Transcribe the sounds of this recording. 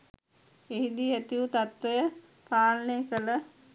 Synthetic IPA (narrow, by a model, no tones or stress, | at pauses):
eɦid̪iæt̪iut̪at̪ʋəjə | paːlnekələ